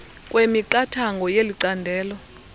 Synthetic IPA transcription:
kʼwemiǃatʰaŋɡʱɔjeliǀandʱɛːlɔ

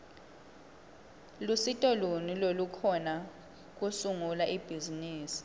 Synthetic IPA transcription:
lusitʼɔlunilolukʰɔna | k̬usuŋulaʔib̥ʱiziniːsi̥

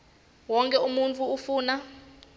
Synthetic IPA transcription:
wɔŋkʼɛumunt͡fʰʼuːfuːna

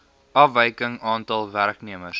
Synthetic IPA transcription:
ɐfvəjkəŋɑːntɑlˠværkniəməs

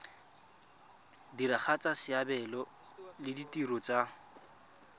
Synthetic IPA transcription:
diɾaχʰat͡sʼasɪabɛlɔ | lɪditʼirɔt͡sʼa

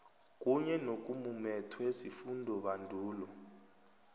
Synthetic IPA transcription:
k̬ʼuɲɛnokʼumumɛtʰwesifundʱɔɓandʱuːlɔ

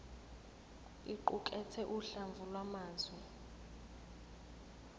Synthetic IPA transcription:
iǃukʼɛtʰɛʔuɬaɱvulwamaːzwɛ

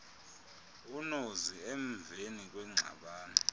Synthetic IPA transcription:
unozieɱvʱenik̬ʼwɛŋ͡ǀʱa̰ɓaːni

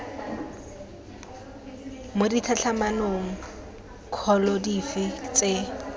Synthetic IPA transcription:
moditʰat͡ɬʰamanoŋ̩ | kʰɔlɔdifɪt͡sʼe

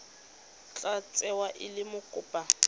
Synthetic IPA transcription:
t͡ɬʼat͡sʼɛwaʔɪlɪmʊkʼʊːpʼa

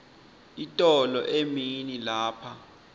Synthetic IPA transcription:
itʼɔlɔʔeminilaːpʰa

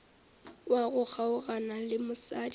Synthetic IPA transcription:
waɣʊk͡xʰaʊɣanalɪmʊsadi

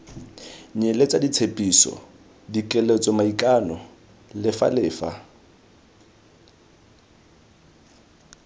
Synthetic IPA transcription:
ɲelet͡sʼadit͡sʰepʼisɔ̰ | dikʼɛlet͡sʼɔmaikʼanɔ | lɪfa̰lɪːfa̰

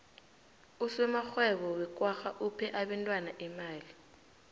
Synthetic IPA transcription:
usɛmaxwɛɓɔwɛk̬ʼwaxaʔupʰɛʔaɓantʼwanaʔimaːli

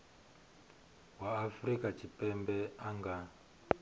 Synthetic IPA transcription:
waːfrikat͡ʃipɛmbɛaŋɡa

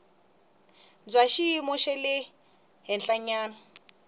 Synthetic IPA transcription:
nd͡zwaʃiimɔʃɛlɪ | ɦɛnɬaɲaːna

